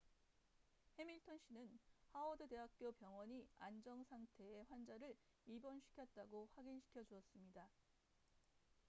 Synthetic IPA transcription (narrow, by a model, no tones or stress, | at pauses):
he̞miɭtʰʌnɕ͈ʰinɯnhaʌdɯde̞ɦak̚k͈jopjʌŋwʌɲiand͡ʑʌŋsʰaŋtʰe̞eɸwand͡ʑaɾɯɭ | ibʌnɕʰi̥kʰjʌt̚t͈aɡoɸwaɡinɕʰi̥kʰjʌd͡ʑuʌs͈ɯmɲida